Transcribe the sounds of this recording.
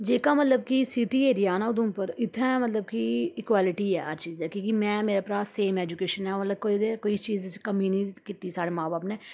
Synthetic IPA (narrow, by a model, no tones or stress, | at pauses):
d͡ʒeːkaːmət̪ləb̚kisiːʈieːɾijaːnaːʊd̪ʱõːpəɾɪt̪ʰɛ̃mət̪ləbkiɪkwaːlɪʈiɛ̰ːɦəɾt͡ʃiːzɛːkĩːkimɛ̃ːmeːɾapɾaːseːmɛːd͡ʒukeːʃənɛmɐt̪ləb̚koːid̪ekoːit͡ʃiːzskəminikit̪ːisaːɽeːmãːbaːpneː